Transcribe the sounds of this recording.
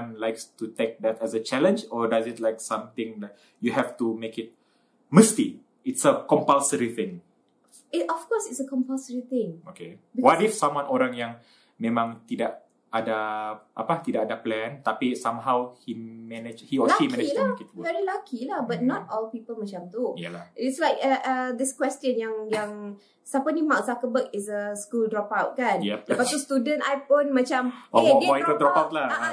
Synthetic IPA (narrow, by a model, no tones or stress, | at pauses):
nlaɪkstutek̚d̪ɛtɛsət͡ʃɛlə̃nd͡ʒɔdazɪt̚laɪk̚sãmt̪ɪ̃ŋlaɪk̚ | juɦɛftumekɪt̚ | məsti | ɪtsəkɔ̃mpalsəɹiθɪ̃ŋ | iɔfkɔsɪtsəkɔ̃mpalsəɹit̪ɪ̃ŋokewatifsãmwãnɔɾãnjãŋ | mẽmãŋt̪idaʔ̚ | ʔadaʔa̰pat̪idakadaplɛ̃nt̪apisãmɦawhimɛnəd͡ʒhiɔlaimkɛilakit̪vɛɾilakʰilahbat̚nɔt̚ɔlpipəlmat͡ʃamt̪ujalaɪtslajkəʔəd̪ɪskwɛstə̃njaŋjaŋ | sapənimawk̚sakəbəkɪsəskuldɹɔpawt̚kanjɛdəpatt̪ust̪udə̃ntajfonmat͡ʃamodiədɾɔpawt̪̚la